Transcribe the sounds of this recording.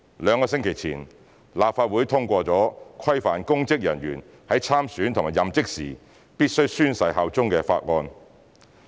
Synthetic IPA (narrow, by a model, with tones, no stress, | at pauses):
lœː˨˧ŋkɔː˧s̬ɪ˥ŋkʰɪ˨˩jt͡sʰḭː˨˩n | laː˨p̚faː˧t̚wuː˨˥jt̪ʰʊ˥ŋkʷɔː˧t͡sɔː˨˥kʷʰɐ˥jfaː˨nkʊ˥ŋt͡sɪ˥k̚jɐ˨˩nɥyː˨˩n | hɐ˨˥jt͡sʰaː˥msyː˨˥nt̪ʰʊ˨ŋmaː˨˩jɐ˨mt͡sɪ˥k̚sḭː˨˩ | piː˥t̚sɵ˥ɥsyː˥nsɐ˧˥jɦa˨˧wt͡sʊ˥ŋkɛː˧fa̰ː˧t̚ŋɔː˧n